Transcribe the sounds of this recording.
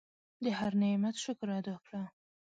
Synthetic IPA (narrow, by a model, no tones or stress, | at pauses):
d̪əhaɾnemat̪ʃʊkɾɑd̪akɽa